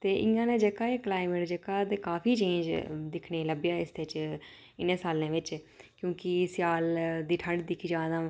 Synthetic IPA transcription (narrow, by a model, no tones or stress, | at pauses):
t̪eːʔɪjãːnẽːd͡ʒəkːaːeːklaːɪmeːʈd͡ʒəkːaːt̪eːkaːpʰiːt͡ʃẽːd͡ʒd̪ɪkʰneːləbjaːɪsd̪eːt͡ʃ | ɪnẽːsaːlẽːʋɪt͡ʃkjõːkɪsjaːld̪iːʈʰə̃ɳɖd̪ɪkʰiːd͡ʒãːd̪ãː